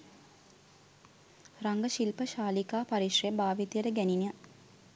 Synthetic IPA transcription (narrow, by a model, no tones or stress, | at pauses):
raŋɡəʃilpəʃaːlikaːpaɾiʃrejbaːʋit̪ijəɾəɡæninija